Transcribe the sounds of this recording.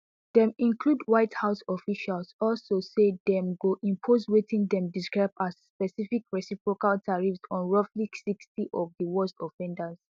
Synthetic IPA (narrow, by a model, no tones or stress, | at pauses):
dɛ̃mĩnkludwaɪthaʊsɔfiʃalsɔlsosedɛ̃mɡoʔĩmpʰoswetĩndɛ̃mdiskɹaɪbasspɛsifikɹɛsipɹokaltaɹifsɔ̃nɹɔfliksikstiʔɔvdiwɔstɔfɛ̃ndas